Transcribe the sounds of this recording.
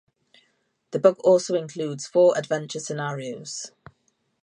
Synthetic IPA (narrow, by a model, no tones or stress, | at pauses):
ðəbʊɡɔˑlˠsoʊɪ̃nkʰl̥uːdz̥fɔːɹədvɛ̃nt͡ʃəsɪnɑːɹioʊz̥